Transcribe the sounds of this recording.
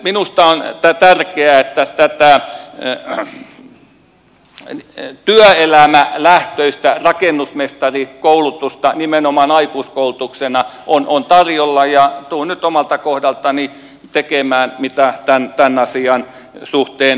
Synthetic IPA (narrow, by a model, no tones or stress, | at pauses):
minust̪ɑont̪æt̪ærkeæet̪ːæt̪æt̪æˑ | t̪yœelæmælæht̪øist̪ærɑkenːusmest̪ɑrikoulut̪ust̪ɑnimenomɑnɑikuːskoulut̪uksenɑʔonont̪ɑrjolːɑjɑt̪uːnyt̪omɑlt̪ɑkohdɑlt̪ɑni | t̪ekemæːnmit̪æt̪ænt̪ænɑsiɑn | suht̪eːn